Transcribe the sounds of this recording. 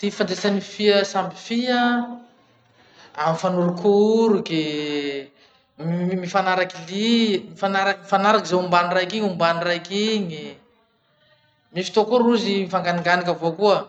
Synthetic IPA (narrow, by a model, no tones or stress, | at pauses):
t̪ifand͡z̪esanifiəsambifiə | amifanuɾukʰuɾuɡe | mifanaɾakilimifanaɾakmifanaɾakizaumbanirajkiɲumbanirajkiɲi | mifi̥t̪okoɾuzimifaŋɡaniŋɡanikavokuə